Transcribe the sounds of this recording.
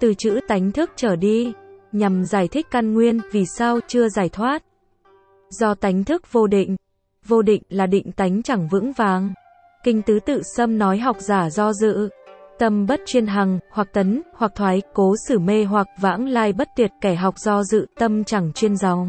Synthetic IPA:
t̪ɨ˨˩t͡ɕɨ̰˧˥t̪a˨˦jŋ̟t̪ʰɨ˦˥k̚t͡ɕəː˧˩ɗi˧ɲa˨˩mzaː˧˩jt̪ʰï˦˥k̟̚ka˧nŋwi˧ənvi˨˩saː˧wt͡ɕɨ˧əzaː˧˩jt̪ʰwaː˦˥t̚ | zɔ˧t̪a˨˦jŋ̟t̪ʰɨ˦˥k̚vo˧ɗḭ˧˨ŋ̟ | vo˧ɗḭ̈˧˨ŋ̟laː˨˩ɗḭ̈˧˨ŋ̟t̪a˨˦jŋ̟t͡ɕa˧˩ŋvɨ̰˧˥ŋvaː˨˦ŋ | kï˧ŋ̟t̪ɨ˨˦t̪ɨ̰˧˨sə˧mnɔ˨˦jɦa˨˩wk͡p̚zaː˧˩zɔ˧zɨ̰˧˨t̪ə˧mɓə˦˥t̚t͡ɕwi˧ənɦa˨˩ŋhwa˨˩k̚t̪ə˨˦nhwa˨˩k̚t̪ʰwaː˨˦jko˨˦sɨ˧˩me˧ɦwa˨˩k̚va̰ː˧˥ŋlaː˧jɓə˦˥t̚t̪i˨˩ət̚kɛ˧˩ɦa˨˩wk͡p̚z̥ɔ˧zɨ̰˧˨t̪ə˧mt͡ɕa˧˩ŋt͡ɕwi˧ənza˨˦wŋ͡m

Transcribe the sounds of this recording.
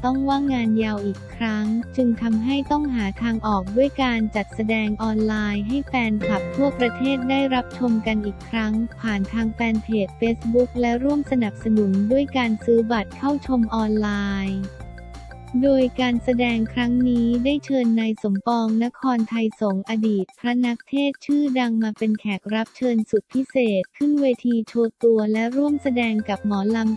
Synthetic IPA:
t̪ɔ˥˩ŋwaː˥˩ŋːaː˧nja˧wʔiː˨˩kʰɾa˦˥ŋt͡ɕɯ˧ŋt̪ʰa˧mɦa˥˩jt̪ɔ˥˩ŋɦaː˩˦t̪ʰaː˧ŋʔɔː˨˩k̚du˥˩əjkaː˧nt͡ɕa˨˩t̪̚sa˧dɛː˧ŋʔɔː˧nlaː˧jɦa˥˩jfɛː˧nkʰa˨˩p̚t̪ʰu˥˩ɐpɾa˧t̪ʰeː˥˩t̪̚daː˥˩jɾa˦˥p̚t͡ɕʰo˧mka˧nʔiː˨˩kʰɾa˦˥ŋpʰaː˨˩nt̪ʰaː˧ŋfɛː˧npʰeː˨˩t̪̚feː˦˥sbu˦˥k̚lɛ˦˥ɾu˥˩əmsa˧na˨˩p̚sa˧nu˩˦ndu˥˩əjkaː˧nsɯː˦˥ba˨˩t̪̚kʰa˥˩wt͡ɕʰo˧mʔɔː˧nlaː˧j | doː˧jkaː˧nsa˧dɛː˧ŋkʰɾa˦˥ŋniː˦˥daː˥˩jt͡ɕʰɤː˧nːa˧jso˩˦mpɔː˧ŋna˦˥kʰɔː˧nt̪ʰa˧jso˩˦ŋʔa˧diː˨˩t̪̚pʰɾa˦˥na˦˥k̚t̪ʰeː˥˩t̪̚t͡ɕʰɯː˥˩da˧ŋmaː˧pe˧nkʰɛː˨˩k̚ɾa˦˥p̚t͡ɕʰɤː˧nsu˨˩t̪̚pʰi˦˥seː˨˩t̪̚kʰɯ˥˩nweː˧t̪ʰiː˧t͡ɕʰoː˧t̪u˧ɐlɛ˦˥ɾu˥˩əmsa˧dɛː˧ŋka˨˩p̚mɔː˩˦la˧m

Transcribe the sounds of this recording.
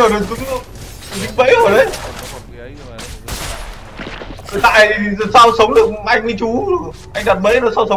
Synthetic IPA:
əː˨˩ə˨˩t͡ɕɨ˨˦ŋ˧˨˩ | t͡ɕɨ˨˦ŋvə̰˧˥jəː˨˩ɗə˨˦j | ə˨˩t̪a̰ː˧˨jsaː˧wsə˨˦wŋ͡mɗɨ˨˩ək̚ʔa˧jŋ̟ni˧˦t͡ɕu˨˦˨ | ʔa˧jŋ̟ɗa˨˩t̚mə̰˧˥nɔ˨˦saː˧wsə˨˦

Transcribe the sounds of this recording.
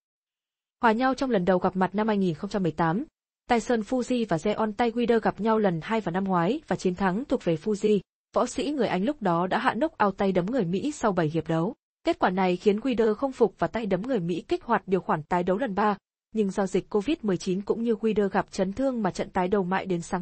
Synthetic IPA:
hwaː˨˩ɲa˧wt͡ɕɔ˧wŋ͡mlə˨˩nɗə˨˩wɣa˨˩p̚ma˨˩t̚na˧mhaː˧jŋi˨˩nxə˧ŋ͡mt͡ɕa˧mːɨ˨˩əjt̪aː˨˦m | t̪aː˧jsəː˧˩nfu˧zi˧vaː˨˩zɛ˧ʔɔ˧nt̪a˧jɣwi˧ɗəː˧ɣa˨˩p̚ɲa˧wlə˨˩nhaː˧jvaː˨˩na˧mŋwaː˨˦jvaː˨˩t͡ɕi˨˦nt̪ʰa˨˦ŋt̪ʰək̚ve˨˩fu˧zi˧ | v̥ɔ̰˧˥sḭ˧˥ŋɨ˨˩əjʔa˨˧jŋ̟lʊ˦˥k͡p̚ɗɔ˨˦ɗa̰ː˧˥ɦa̰ː˧˨nə˦˥k͡p̚ʔaː˧˩wt̪a˧jɗə˨˦mŋɨ˨˩əjmḭ˧˥sa˧wɓə˧˩jɦi˨˩əp̚ɗə˨˦w | ke˦˥t̚kwaː˧˩na˨˩jxi˨˦ənɣwi˧ɗəː˧xə˧wŋ͡mfʊ˨˩k͡p̚vaː˨˩t̪a˧jɗə˨˦mŋɨ˨˩əjmḭ˧˥kï˦˥k̟̚hwaː˨˩t̚ɗi˨˩əwxwaː˧˩nt̪aː˨˦jɗə˨˦wlə˨˩nɓaː˧ | ɲɨ˧ŋza˧zï˨˩k̟̚ʲkːo˧vi˦˥t̚mɨ˨˩əjt͡ɕi˨˦nkʊ̰˧˥ŋ͡mɲɨ˧ɣwi˧ɗəː˧ɣa˨˩p̚t͡ɕə˨˦nt̪ʰɨ˧əŋmaː˨˩t͡ɕə̰˧˨nt̪aː˨˦jɗə˨˩wma̰ː˧˨jɗe˨˦nsaː˨˦

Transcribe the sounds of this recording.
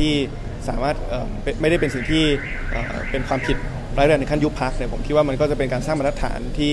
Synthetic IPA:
iː˥˩ | saː˩˦maː˥˩t̪̚ʔɤː˨˩mpe˧ma˥˩jɾa˥˩pe˧nsi˨˩ŋt̪ʰiː˥˩ | ʔə̰ː˨˩ | pe˧nkʰwaː˧mpʰi˨˩t̪̚ʰ | ɾaː˧˦˥jɾn˧kʰa˥˩ju˦˥pʰa˦˥k̚ni˥˩pʰo˩˦mkʰi˦˥waː˥˩ma˧nkɔː˥˩t͡ɕa˨˩pe˧nkaː˧nsaː˥˩ma˧nʰa˦˥t̪ʰːa̰ː˩˦nt̪ʰiː˥˩

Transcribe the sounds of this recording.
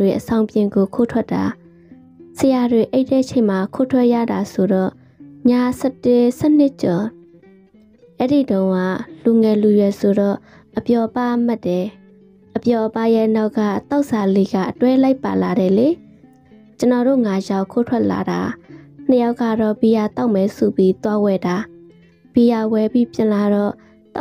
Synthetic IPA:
we˨ʔəsã˨ʊ̃mpjɪ̃˨ŋɡo˨kʰo˦tʰwɛ˦tːa˨ | səja˨dwe˨ʔe˦ɪtːɛ˦˨ʔt͡ɕʰẽ˨ma˨kʰo˦˨tʰwɛ˦ʔja̰˦˨da˨so˨ɾɔ˦˨ | ɲa˦˨sɛ˦˨tɪ˨sɛ˦˨n̥ɪ˦ʔt͡ɕɔ˨ | ʔɛ˦ɾḭ˦˨dõ˦ʊ̃ŋa̰˦˨lu˨ŋɛ˨lu˨jɛ˨so˨ɾɔ˦˨ | ʔəpjɔ˨ʔəpa˦ʔm̥a˦˨tːɛ˨ | ʔəpjɔ˨ʔəpa˦jɛ˦˨na˦ʊkːa̰˦˨t̪a˦ʊʔsa˨le˦ɡa̰˦˨ʔətwɛ˦la˦ɪpa˨la˨ɾɛ˨le˨ | t͡ɕə˨nɔ˨ɾo̰˦˨ŋa˨ʃa˦˨kʰo˦˨tʰwɛ˦ʔla̰˨ɾa̰˨n̥əja˦ʊʔkːa̰˦˨ɾɔ˦˨bi˨ja˨t̪a˦ʊʔmɛ˨so˨bji˦t̪wa˦wɛ˨da˨ | b̥i˨ja˨wɛ˨bi˦pjɪ̰̃˨la˨ɾɔ˦˨

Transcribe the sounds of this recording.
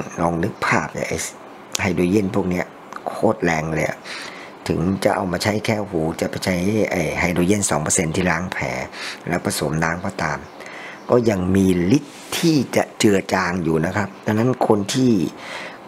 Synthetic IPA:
nɔː˧ŋnɯ˦˥k̚pʰaː˥˩p̚na̰˧˩jʔa̰˨˧˩j | ha˧˥˩jdoː˧je˥˩˨npʰu˥˩k̚ni˦˥˩ɐ | kʰoː˦˥˩t̪̚lɛː˧ŋlɤ˧jʔa̰˨˩ | t̪ʰɯ˩˦ŋt͡ɕa˨˩ʔa˧wmaː˧t͡ɕʰa˦˥jkʰɛː˧˥˩huː˩˦t͡ɕa˨˩pa˧˩t͡ɕʰa˦˥ja̰˧˩jɦa˧˥˩jdoː˧je˥˩˨nsɔː˩˦ŋpəː˧se˧nt̪ʰiː˥˩laː˦˥ŋpʰɛ̰ː˩˦lɛ̰˦˥wpʰa˧so˩˦mnaː˦˥ŋpɔː˧˩t̪aː˧m | kɔː˥˩ja˧ŋmiː˧li˦˥t̪ʰːiː˥˩t͡ɕa˨˩ʔt͡ɕɯ˨˩ət͡ɕaː˧ŋjuː˨˩na˦˥kʰa˦˥p̚d̪ʰaː˧na˦˥nkʰo˧nt̪ʰiː˥˩

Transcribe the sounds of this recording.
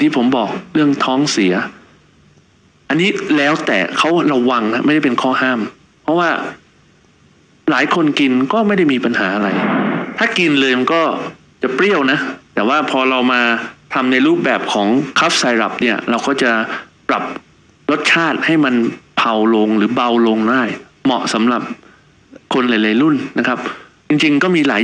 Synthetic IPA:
ŋt̪ʰiː˥˩pʰo˩˦mbɔː˨˩k̚ɾɯ˥˩əŋt̪ʰɔː˦˥ŋsi˩˦ɐ | ʔa˧nːiː˦˥lɛː˦˥wt̪ɛ̰ː˨˩kʰa˦˥wɾa˧wa˧ŋa˦˥ma˥˩jda˥˩pe˧nkʰɔː˥˩ɦaː˥˩m | pʰɔ˦˥waː˥˩ | laː˩˦jkʰo˧nki˧nkɔː˥˩ma˥˩jda˥˩jmiː˧pa˧nɦa̰ː˩˦ʔa˧ɾa˧jt̪ʰaː˥˩ki˧nlɤː˧jma˧nkɔː˥˩ | t͡ɕa˨˩pɾi˥˩əwna˦˥t̪ɛː˨˩waː˥˩pʰɔː˧ɾa˧wmaː˧t̪ʰa˧mna˧jɾuː˥˩p̚bɛː˨˩p̚kʰɔː˩˦ŋkʰa˦˥p̚saː˧jɾa̰˨˩p̚ni˥˩ɐɾa˧wkɔː˥˩t͡ɕa˨˩pɾa˨˩p̚ | lo˦˥t̪̚t͡ɕʰaː˥˩t̪̚ha˥˩jma˧npʰa˧wlo˧ŋɾɯː˩˦ba˧wloː˧ŋdaː˥˩j | mɔ̰˨˩ʔsa˩˦mɾa˨˩p̚ | kʰo˧nla˨˦jla˧jlu˥˩nːa˦˥kʰa˦˥p̚t͡ɕi˧ŋt͡ɕi˧ŋkɔː˥˩miː˧laː˩˦

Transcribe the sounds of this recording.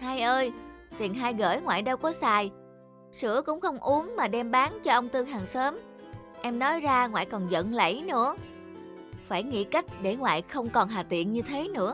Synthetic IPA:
haː˧jʔəː˧j | t̪i˨˩ənɦaː˧jɣə̰ː˧˩jŋwa̰ː˧˨jɗə˧wkɔ˨˦saː˨˩j | sɨ˧˥əkʊ̰˧˥ŋ͡mxə˧wŋ͡mʔu˨˦əŋmaː˨˩ɗɛ˧mɓaː˨˦nt͡ɕɔ˧ʔə˧wŋ͡mt̪ɨ˧ŋɦaː˨˩ŋsəː˨˦m | ʔɛ˧mnɔ˨˦jzaː˧ŋwa̰ː˧˨jkɔ˨˩nzə̰˧˨nlə̰˧˥˩jnɨ̰˧˥ə | faː˧˩jŋḭ˧˥ka˦˥jk̟̚ɗe˧˩ŋwa̰ː˧˨jxə˧wŋ͡mkɔ˨˩nɦaː˨˩t̪ḭ˧˨ənɲɨ˧t̪ʰe˨˦nɨ̰˧˥ə

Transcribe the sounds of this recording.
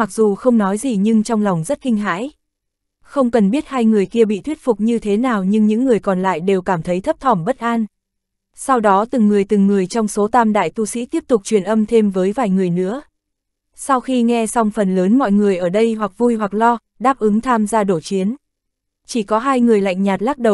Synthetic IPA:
ma˨˩k̚zu˨˩xə˧wŋ͡mnɔ˨˦jzi˨˩ɲɨ˧ŋt͡ɕɔ˧wŋ͡mla˨˩wŋ͡mzə˦˥t̚kï˧ŋ̟ɦa̰ː˧˥j | xə˧wŋ͡mkə˨˩nɓi˦˥ət̚haː˧jŋɨ˨˩əjki˧əɓḭ˧˨t̪ʰwi˦˥ət̚fʊ˨˩k͡p̚ɲɨ˧t̪ʰe˨˦naː˨˩wɲɨ˧ŋɲɨ̰˧˥ŋːɨ˨˩əjkɔ˨˩nla̰ː˧˨jɗe˨˩wkaː˧˩mt̪ʰə˨˦jt̪ʰə˦˥p̚t̪ʰɔ˧˩mɓə˦˥t̚ʔaː˧n | sa˧wɗɔ˨˦t̪ɨ˨˩ŋːɨ˨˩əjt̪ɨ˨˩ŋːɨ˨˩əjt͡ɕɔ˧wŋ͡mso˨˦t̪aː˧mɗa̰ː˧˨jt̪u˧sḭ˧˥t̪i˦˥əp̚t̪ʊ˨˩k͡p̚t͡ɕwi˨˩ənʔə˧mt̪ʰe˧mvəː˨˦jvaː˨˩jŋɨ˨˩əjnɨ̰˧˥ə | sa˧wxi˧ŋɛ˧sa˧wŋ͡mfə˨˩nləː˨˦nmɔ̰˧˨jŋɨ˨˩əjʔəː˧˩ɗə˧jɦwa˨˩k̚vu˧jɦwa˨˩k̚lɔ˧ | ɗaː˦˥p̚ʔɨ˨˦ŋt̪ʰaː˧mzaː˧ɗo˧˩t͡ɕi˨˦ən | t͡ɕi˧˩kɔ˨˦ɦaː˧jŋɨ˨˩əjla̰˧˨jŋ̟ɲaː˨˩t̚laː˦˥k̚ɗə˨˩w

